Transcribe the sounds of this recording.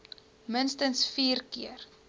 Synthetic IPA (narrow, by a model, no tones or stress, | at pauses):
mənstənsfiːrkiər